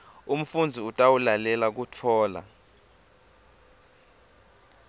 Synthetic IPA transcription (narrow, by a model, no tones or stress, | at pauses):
um̩fund͡zʱiutʼawulalɛlak̬utʰɔːla̰